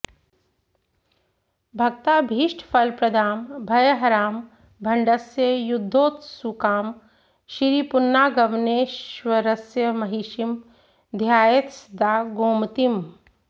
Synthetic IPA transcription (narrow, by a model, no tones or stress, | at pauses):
bʱɐɡt̪aːbʱiːʃʈʰpʰɐlpɾɐd̪ʱaːmbʱɐjəɦɐɾaːm | bʱɐɳɖɐsjəjud̪ʱːoːt̪sukaːm | ʃiɾipunːaːɡɐʋneːʃʋɐɾɐsjəmɐɦiʃim | d̪ʱjaːjet̪sd̪aːɡoːmt̪im